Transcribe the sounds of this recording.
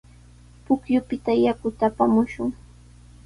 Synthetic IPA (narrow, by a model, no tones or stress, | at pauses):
pʊkjʊpɪt̪ajakʊt̪aːpamʊʃʊŋ